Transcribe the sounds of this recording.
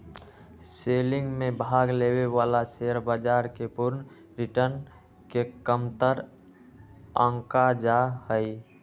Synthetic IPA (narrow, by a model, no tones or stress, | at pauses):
seːlɪ̃ŋɡmẽbʱaːɡleːwewaːlaseəɾbad͡ʒaːɾkepʊɾn | ɾɪʈəɾn | kekəmt̪əɾ | ə̃ŋkad͡ʒahəi